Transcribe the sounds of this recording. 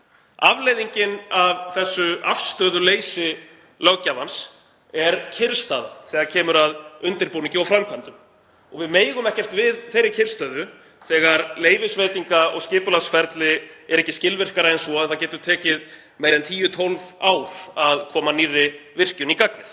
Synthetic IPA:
a̰vleːjðiɲcɪnavθɛsːʏafst̪œːðʏleːjsɪ | lœɣcavans | ɛɾcʰɪɾst̪aðaθɛːɣaɾcʰɛːmʏɾaðʏnt̪ɪɾpuniɲcɪɔfɾamkʰant̪ʏm | ɔɣvɪðmeːjɣʏmɛhcɛft̪vɪðθejɾːɪcʰɪɾ̥st̪œːðʏ | θɛːɣaɾleːjvɪsveːjt̪iŋkaʔɔ̰ɣscɪːpʏlasfɛɾt̪lɪɛɾɛhcːɪscɪlvɪr̥kaɾaɛnsɔaðθawcɛːt̪ʏɾ̥t̪ʰɛːcɪð | meːjɾðɛnt̪ʰiːjʏt̪ʰɔlvaːwɾ̥aðkʰɔːmanirːɪvɪr̥cʏnikakvɪθ

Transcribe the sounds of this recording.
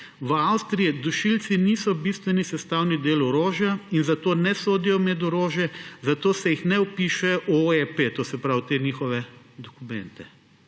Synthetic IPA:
ʋawst̪ɾijɛd̪uʃilt̪sinisɔbist̪ʋɛnisɛst̪awnid̪eːlɔɾoːʒjainzat̪oːnɛsoːd̪ijɔmɛd̪oɾoːʒjɛzat̪oːsɛjixnɛupiːʃɛʔoepet̪oːsɛpɾawt̪enixɔʋɛ | d̪ɔkumɛ̃nt̪ɛ

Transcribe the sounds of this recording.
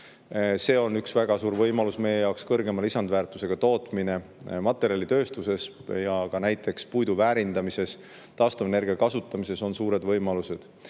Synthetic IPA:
se̞ːo̞nyksvæɡ̥ɑsuːɾvɤjmɑlusme̞jejɑwkskɤrɡe̞mɑlisɑnd̪væːrt̪ːˑuse̞ɡ̥ɑt̪o̞ːt̪ˑmine̞mɑt̪ːˑe̞ɾiɑlʲit̪øːst̪use̞sjɑkɑnæjt̪ːˑe̞kspujd̪uvæːɾind̪ɑmise̞s | t̪ɑːst̪ɑmene̞ɾɡiɑkɑsut̪ːˑɑmise̞so̞nsuːɾe̞d̪vɤjmɑluse̞d̪̥

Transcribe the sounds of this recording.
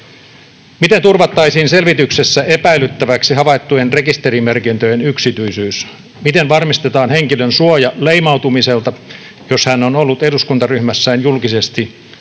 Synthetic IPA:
mit̪ent̪urʋɑt̪ːɑisiːnselʋit̪yksesːæepæilyt̪ːæʋæksihɑʋɑit̪ːujenre̞kist̪e̞ɾimerkint̪øjenyksit̪yisyːs | mit̪enʋɑrmist̪et̪ɑːnheŋkilønsuojɑleimɑut̪umise̞lt̪ɑ | joshænːonolːut̪eduskunt̪ɑryhmæsːæːnjulkisest̪i

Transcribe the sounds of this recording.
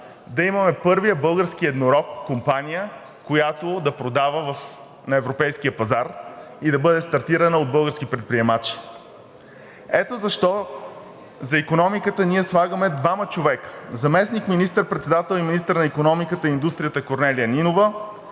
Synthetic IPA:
d̪ɐimɐmɛpɤɾvijəbɤlˠɡəɾskiɛd̪noɾɔkːompanijə | kojat̪od̪ɐpɾod̪avəvɐf | nɐɛvɾopɛjskijəpɐzaɾ | id̪ɐbɤd̪ɛst̪ɐɾt̪iɾənəod̪̚bɤlˠɡəɾsk̟ipɾɛt̪pɾiɛmat͡ʃi̥ | ɛt̪ozɐʃt̪ɔ | zɐikonɔmikət̪əniɛslˠaɡəmɛd̪vamət͡ʃovɛkə̥zɐmɛsnikminist̪əɾpɾɛt̪sɛd̪at̪ɛlˠiminist̪əɾnɐikonɔmikət̪əind̪ust̪ɾiət̪əkoɾnɛlijəninovə

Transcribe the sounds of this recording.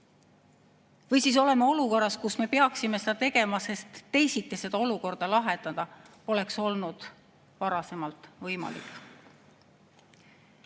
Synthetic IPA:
vɤjsiːs̬o̞le̞meo̞luko̞rːɑskusme̞peɑksimesed̪ɑt̪e̞ɡ̥e̞mɑse̞st̪ːe̞jsik̪ːˑese̞d̪̥ɑo̞luko̞rd̪̥ɑlɑɦet̪ːɑd̪̥ɑ | o̞le̞kso̞lnud̪̥ | vɑɾɑse̞mɑlt̪ˑvɤjmɑ̰lḭkːˑ

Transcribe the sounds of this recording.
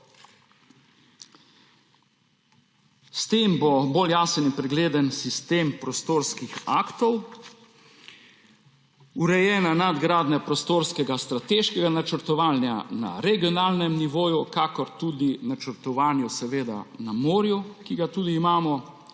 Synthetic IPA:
st̪eːmboboljaːsənipɾɛɡleːd̪ənsist̪eːmpɾɔst̪oːɾskixaːkt̪ɔw | uɾɛjɛːnanad̪ɡɾaːd̪nɛpɾɔst̪oːɾskɛɡast̪ɾat̪eːʃkɛɡanat͡ʃəɾt̪ɔʋaːlnja̰na̰ɾɛɡiɔnaːlnɛmniʋoːjukakɔɾt̪ud̪inat͡ʃəɾt̪ɔʋaːnjusɛʋeːd̪a̰namoːɾjukiɡat̪uːd̪iːmaːmɔ

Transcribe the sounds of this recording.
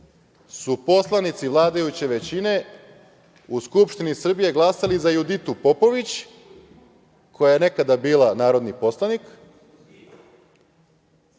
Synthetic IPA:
supo̞slˠanit̪siʋlˠaːd̪ajut͡ɕeʋe̞t͡ɕine̞ | uskupʃt̪inisr̩bije̞ɡlˠaːsalizajud̪it̪upo̞po̞ʋit͡ɕ | kʰo̞jajene̞kad̪abiːlanaːɾo̞d̪nipo̞slˠanik

